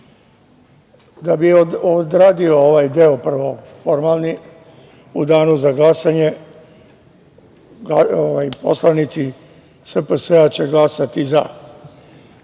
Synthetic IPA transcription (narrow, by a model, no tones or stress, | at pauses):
d̪abiood̪ɾaːd̪iooʋajd̪eopr̩ʋo | fo̞ɾmalˠni | ud̪aːnuzaɡlˠasaɲe̞ | aoʋajpo̞̰slanit̪si | səpəseat͡ɕeɡlasat̪iza̰